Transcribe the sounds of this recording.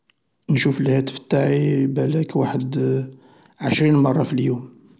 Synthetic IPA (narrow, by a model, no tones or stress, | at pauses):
nʃufəlhæt̪ə̥fə̥t̪ːaʕibælækwaħəd̪ | ʕəʃɾinmɑrˤːɑfiljum